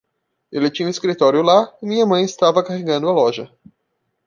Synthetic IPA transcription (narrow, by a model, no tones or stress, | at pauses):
elɪt͡ʃĩɲũɪskɾit̪ɔɾjʊlaɪmĩɲɐmɐ̃j̃ɪst̪avɐkaɦeɡɐ̃nd̪ʊɐlɔʒɐ